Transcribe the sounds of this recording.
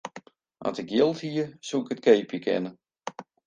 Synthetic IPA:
ʔa̰ntɪkjɪlˠthiəsuɪkətkʰejpjəkʰɪ̰nə

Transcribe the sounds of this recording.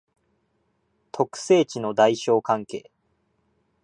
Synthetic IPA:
t̪ʰo̞kɯ̟̥se̞ːt͡ɕino̞d̪aiɕo̞ːkãŋke̞̰ː

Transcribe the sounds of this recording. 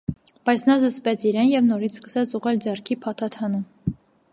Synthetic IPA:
b̥ɑjt͡sʰnɑzəspɛt͡sʰiɾɛnjɛvnɔɾit͡sʰskə̥sɛt͡sʰuʁɛld͡zɛrkʰipʰɑt̪ʰɑt̪ʰɑnum

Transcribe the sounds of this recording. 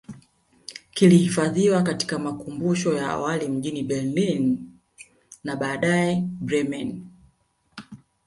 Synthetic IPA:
kilihifaðiwakati̥kamakumbuʃɔjaa̰walim̩ʄiniɓɛɾlin | aɓaːɗaɛbɾɛmɛn

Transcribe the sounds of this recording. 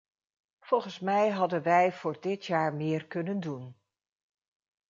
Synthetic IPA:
v̥ɔlˠχənsmɛjɦɑdənʋɛjv̥ʊːɹdɪtjaːɹmɪːɹkɵnəndun

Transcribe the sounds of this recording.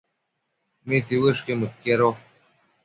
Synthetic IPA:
mit͡siwəʂkemut̪̚keɾo

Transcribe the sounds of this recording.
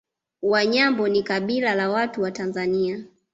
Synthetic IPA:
waɲambɔnikaɓilalawatuwatanzania

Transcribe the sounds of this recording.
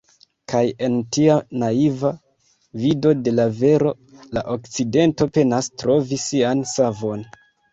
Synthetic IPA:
kʰaje̞ntianaiva | vido̞de̞lave̞ɾo̞ | laʔo̞kt͡side̞nto̞pe̞nastɾo̞visːiansavo̞n

